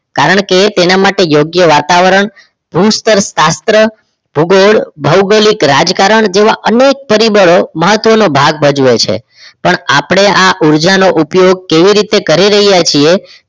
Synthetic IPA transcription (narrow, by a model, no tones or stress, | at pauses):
kaɾəɳ̃ket̪enamaʈejoɡjəʋat̪aʋəɾəɳ | b̥ʱust̪əɾsast̪ɾə | b̥ʱuɡoɭbʱəwɡəlikɾad͡ʒkaɾəɳd͡ʒeʋaʔənek̚pəɾibəɭoməɦət̪ːʋənobʱaɡ̚bəd͡ʒʋet͡ʃʰḛ | pəɳapɽ̃eaʔuɾd͡ʒanoʔupjoɡ̚keʋiɾit̪ekəɾiɾəɦijat͡ʃʰie